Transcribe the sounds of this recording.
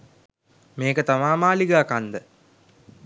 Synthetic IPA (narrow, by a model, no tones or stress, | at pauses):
meːkət̪amaːmaːliɡəːkand̪ə